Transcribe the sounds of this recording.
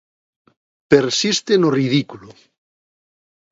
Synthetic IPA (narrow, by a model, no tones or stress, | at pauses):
peɾsist̪enoriðikulo